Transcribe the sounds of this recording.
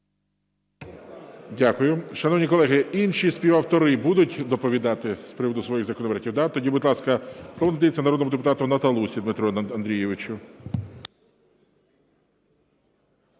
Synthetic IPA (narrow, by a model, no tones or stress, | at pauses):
dʲakʊjʊʃɐnɔwnʲikɔlˠɛɦɪinʃispʲiʋɐwt̪ɔɾɪbud̪ʊtʲd̪ɔpɔʋʲid̪ɑt̪ɪspɾɪʋɔd̪ʊsʋɔjixzɐkɔnɔpɾʲɛtʲiwd̪at̪ɔdʲibʊd̪ʲlˠɑskɐslˠɔʋɔnd̪ɐjet͡sʲːɐnɐɾɔd̪nɔmʊd̪epʊt̪ɑt̪ʊnɐt̪ɐlˠusʲid̪mɪt̪ɾɔɐnd̪ɾʲijɛʋɪt͡ʃʊ